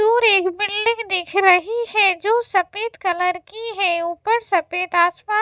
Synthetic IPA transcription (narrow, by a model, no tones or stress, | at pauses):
uːɾeːkbɪlɖɪ̃ŋɡd̪ɪkʰɾɐɦihɛd͡ʒoːsɐpeːt̪kɐləɾkiɦɛuːpəɾsɐpeːt̪aːsmaː